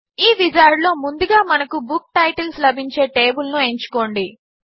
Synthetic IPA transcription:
iːʋid͡ʒaːɾɖlo̞ːmund̪uɡaːmɐnɐkubuk̚ʈɐjʈɐlslɐbʱiɲt͡ʃe̞ːʈe̞ːbulnue̞ɲt͡ʃu̥ko̞ːɳɖi

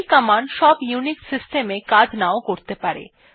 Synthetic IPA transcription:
lkəmanʃɔbjuniksisʈemekad͡ʑnaokoɾt̪epaɾḛ

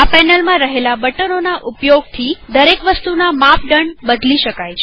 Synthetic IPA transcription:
apɛnəlmãɾəɦelabəʈənonaʔupjoɡ̚t̪ʰid̪əɾekʋəst̪unamapɖəɳɖbəd̪liʃəkajt͡ʃʰe

